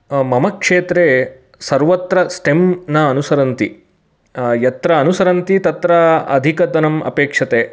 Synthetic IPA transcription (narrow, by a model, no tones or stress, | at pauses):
mɐmɐkʂeːt̪ɾe | sɐɾʋɐt̪ɾɐsʈemnɐːnusɐɾɐnt̪i | jɐt̪ɾɐːnusɐɾɐnt̪it̪ɐt̪ɾɐɐ̰d̪ʱikɐd̪ɐnɐmɐ̰peːkʂɐt̪eː